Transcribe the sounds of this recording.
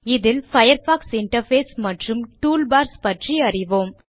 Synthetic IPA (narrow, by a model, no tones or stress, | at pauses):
ɪðɪlfɐjɐɾfaːksɪɳʈɐɾfeːsmɐʈrɯmʈuːlbaːɾspɐʈriɐrɪʋoːm